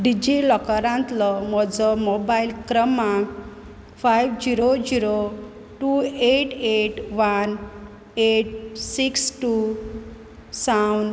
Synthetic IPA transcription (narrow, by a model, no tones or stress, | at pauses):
ɖid͡ʑilɔkaɾãnt̪lɔmɔd͡zɔmobailkɾəmãk | fajʋd͡ʑiɾod͡ʑiɾo | ʈueʈeʈʋan | eʈ̚siksʈu | sawn